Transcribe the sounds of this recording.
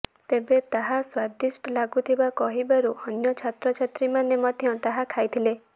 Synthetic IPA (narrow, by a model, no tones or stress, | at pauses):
t̪ebet̪aɦaswad̪isʈɔlaɡut̪ʰibakɔɦibaɾuɔnjɔt͡ʃʰat̪ɾɔt͡ʃʰat̪ɾimanemɔd̪ʱjɔt̪aɦakʰajt̪ʰile